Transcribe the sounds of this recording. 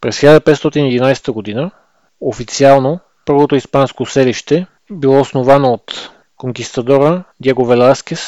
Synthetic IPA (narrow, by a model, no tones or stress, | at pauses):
pɾɛsxʲilʲad̪əpɛt̪st̪ɔt̪iniɛd̪inajsɛ̥t̪əɡod̪inə | ofit̪sialˠno | pɤɾvot̪oispanskosɛliʃt̪ɛ | bilˠɔosnovanoːt̪ | koŋkʲist̪ɐd̪ɔɾəɡ̪ʲɛɡovɛlaskʲɛs